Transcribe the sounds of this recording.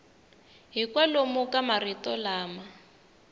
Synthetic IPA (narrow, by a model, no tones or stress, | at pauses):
ɦikwalomʊkamaritɔlaːma